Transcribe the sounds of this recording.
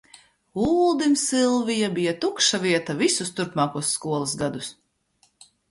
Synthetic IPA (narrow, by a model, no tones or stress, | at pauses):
uːlˠd̪imsilˠvijabijat̪ukʃaviɛt̪avisust̪uɾpmaːkuɔsːkuɔlˠisɡad̪us